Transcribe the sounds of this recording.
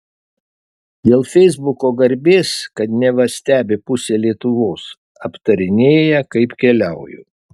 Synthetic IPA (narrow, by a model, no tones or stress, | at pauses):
d̪ʲeːlˠfʲɛɪzbʊkoːɡɐɾʲbʲeːskɐt̪nʲɛʋɐsʲt̪ʲæːbʲɪpʊsʲeːlʲiɛt̪ʊʋoːs | ɐpt̪ɐɾʲɪnʲeːjɛkɐɪpkʲɛlʲɛʊjʊ̰